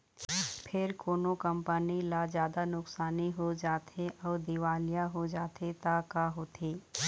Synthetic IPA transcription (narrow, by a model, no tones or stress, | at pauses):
pʰɪɾkoːnokɐ̃mpənilaːzjaːd̪anʊksaːniɦod͡ʒaːt̪eʔɔːɾd̪ɪʋaːlijaɦod͡ʒaːt̪et̪akaːɦoːt̪ʰeː